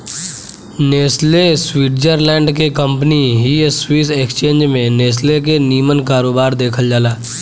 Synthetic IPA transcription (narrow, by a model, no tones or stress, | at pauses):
neːsleswiːʈd͡ʒəɾlɛ̃ːɳɖkekə̃mpniɦiswiːseːkst͡ʃẽːnd͡ʒmẽneːs̬lekeniːmənkaːɾoːbaːɾd̪eːkʰəld͡ʒaːlaː